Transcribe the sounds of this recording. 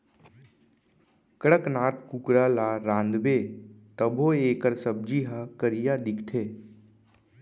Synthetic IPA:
kəɽəknaːʈ̪kukɾaːlaːɾãːnd̪beːt̪əbʱoːeːkəɾsəb̚d͡ʒiɦakəɾijad̪ɪkʰt̪ʰeː

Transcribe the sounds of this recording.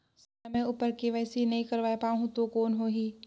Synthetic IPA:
s | amɛ̃ʊːpəɾkeʋɛːsinɐɦĩkɐɾʋaːepaːɦũt̪okoːnɦoːɦiː

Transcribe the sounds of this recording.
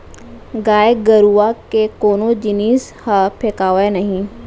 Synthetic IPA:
ɡaːeɡəɾuakekoːnõd͡ʒɪniːs | hapʰekaːʋenɐɦĩ

